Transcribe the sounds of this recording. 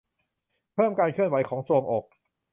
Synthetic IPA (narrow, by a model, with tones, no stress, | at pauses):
pʰɤː˥˩mkaː˧nkʰɯ˥˩ənwa˩˦jkʰɔː˩˦ŋsu˧əŋʔoː˨˩k̚